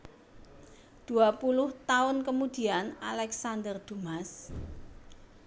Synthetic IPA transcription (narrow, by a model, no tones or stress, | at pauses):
d̪̥ṳapulʊht̪aʊnkəmud̪̥i̤ana̰lɛksand̪ərd̪̥umas